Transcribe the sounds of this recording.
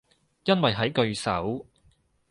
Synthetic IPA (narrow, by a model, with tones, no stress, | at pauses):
jɐ˥nwɐ˨jɦɐ˨˥jkɵ˧ɥsɐ̰˨˥w